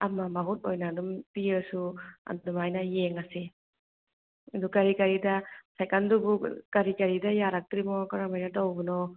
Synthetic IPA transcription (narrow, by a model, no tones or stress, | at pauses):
ɐmamɐɦut̚ojnadumpiɯsuɐ̰ddumajnɐjeŋɐsi | ɐdukɐɾikɐɾidɐsajkandubukɐɾikɐɾidɐjaɾak̚tɾimɔkɐɾamajnɐtawbunɔ